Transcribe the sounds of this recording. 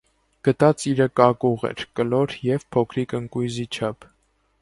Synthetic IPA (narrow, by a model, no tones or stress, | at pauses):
ɡ̥ət̪ɑt͡siɾəkɑkuʁɛ̰ɾkəlɔɾjɛvpʰɔkʰɾikəŋkujzit͡ʃʰɑpʰ